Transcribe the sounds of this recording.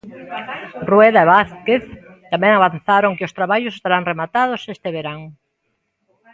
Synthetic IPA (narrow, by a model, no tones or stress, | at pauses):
rweðaeβaθkeθ | t̪amẽŋaβanθaɾoŋkɪʊst̪ɾaβaʎʊse̥st̪aɾaŋremat̪að̞ʊsest̪eβeɾaŋ